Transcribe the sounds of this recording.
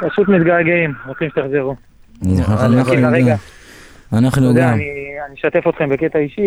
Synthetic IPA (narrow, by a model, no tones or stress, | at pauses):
paʃut̪mit̪ɡaɡeimʁot͡simʃet̪aχzeʁu | zanaiuaʁea | anaχnuɡamnianiʃat̪e̞fot̪χe̞mbeket̪aiʃi